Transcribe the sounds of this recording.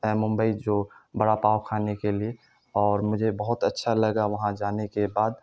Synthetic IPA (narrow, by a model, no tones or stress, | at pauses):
ɛmʊ̃mbəid͡ʒoːbəɽapaːwkʰaːnekelie | ɔːɾmʊd͡ʒʱebəɦʊt̪ətːʃʰaləɡaʋɐɦãd͡ʒaːnekebaːd̪